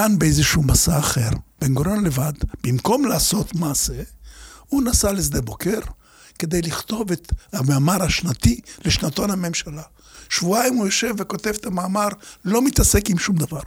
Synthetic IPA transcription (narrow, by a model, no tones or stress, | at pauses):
kanbeejzeʃuumasaːχe̞ʁb̥enɡoɾonlevad̪b̥imko̞mlaːso̞t̪maːse | unasalisd̪ebo̞keʁ | ke̞d̪ejliχt̪o̞vet̪hamaːmaʁaʃnat̪ileʃnat̪onhame̞mʃala | ʃvuajimujoʃe̞vːeko̞t̪e̞vet̪ʰamaːmaʁlo̞mit̪ase̞kimʃumd̪avaʁ